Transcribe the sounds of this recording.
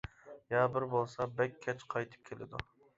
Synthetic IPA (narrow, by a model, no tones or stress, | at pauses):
jɑːbɪɾbolˠsɑbɛkʲʰːɛt͡ʃqʰɑjt̪ʰɨ̥p̚kʲʰelɪ̰d̪ṵ